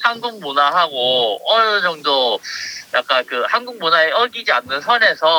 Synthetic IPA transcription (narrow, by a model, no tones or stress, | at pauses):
hanɡuŋ̚monaɦaɡoʌd͡ʑʌŋdo | jak͈ankɯhanɡuŋ̚monaeʔʌɭɡid͡ʑianːɯnsʰʌne̞sʰʌ